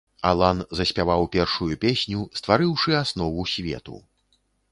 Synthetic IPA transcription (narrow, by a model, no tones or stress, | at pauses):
a̰lˠanzɐsʲpʲavawpʲɛrʂujupʲesʲnʲust̪vaɾɨwʂɨasnɔvusʲvʲɛ̰t̪ṵ